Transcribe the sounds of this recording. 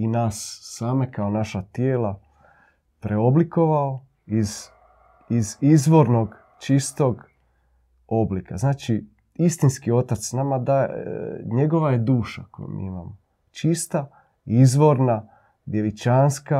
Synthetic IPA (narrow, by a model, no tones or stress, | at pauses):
inaːsːaːme̞kaonaʃat̪jeːlˠa | pɾʔeo̞bliko̞ʋao | iz | izizʋo̞ɾno̞ɡ | t͡ʃist̪o̞ɡ | o̞blika̰znaːt͡ʃi | ist̪inskio̞t̪at̪snamad̪a | ɲe̞ɡo̞ʋaje̞d̪uːʃakojṵmḭimamo | t͡ʃist̪a | izʋo̞ɾna | d̪je̞ʋit͡ʃanska